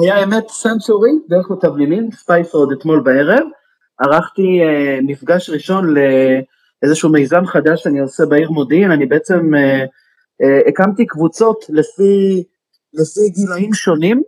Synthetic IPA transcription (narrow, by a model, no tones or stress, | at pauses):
hajaeme̞t̪sensuʁid̪eʁeχmet̪avninimspajfod̪et̪mo̞lbae̞ʁe̞v | aʁaχt̪iemifɡaʃʁiʃo̞nle̞ | ʔezeʃuːmejzamχad̪aʃaniosebaiʁmo̞d̪inanibeet͡se̞me | kamt̪ikvut͡so̞tlefi | lefiɡilaimʃo̞nim